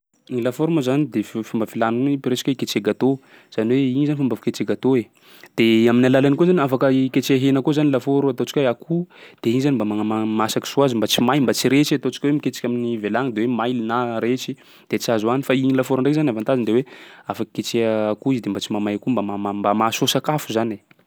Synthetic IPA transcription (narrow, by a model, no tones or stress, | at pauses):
iŋilafoɾumazanid̪effumbafilanunipiɾet͡si̥keiket͡ʃeɡat̪o | z̥aniweiɲzanifambafiket͡ʃeɡat̪oe | d̪̥eaminalalanikuzaniafakəiket͡ʃeɦenakozanilafoɾuat̪ot͡si̥kʲeakʰud̪̥eiɲzanimbamaŋamamasaki̥suazimbat͡simajmbat͡siɾet͡ʃiat̪ot͡si̥kʲwemiket͡si̥kʲaminivelaŋd̪ewemajlinaɾet͡ʃi | d̪̥et͡siazuanifaiɲilafoɾaɳɖ͡ʐekzanavant̪azind̪eweafakəket͡ʃeəːkuizid̪embat͡simamajakumbamamambamasosakafuzane